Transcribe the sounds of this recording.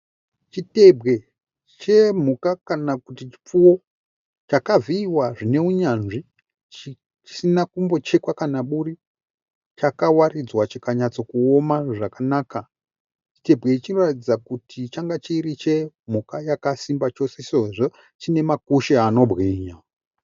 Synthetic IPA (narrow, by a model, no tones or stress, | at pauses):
t͡ʃite̞bʱɣe̞ | t͡ʃe̞m̤ukakanakutit͡ʃi̥p͡fuwo̞ | t͡ʃakaviːwaʐine̞uɲanʐi | t͡ʃ | t͡ʃi̥sinakumbo̞t͡ʃekwakanaɓuri | t͡ʃakawarid͡zwat͡ʃikaɲat͡so̞kuomaʐakanaːka | t͡ʃi̥te̞bɣe̞it͡ʃino̞ratid͡zakutʰit͡ʃaŋɡat͡ʃiɾit͡ʃe̞ | m̤ukajakasimbat͡ʃo̞sesoʐo | t͡ʃine̞makuʃeano̞bɣiːɲa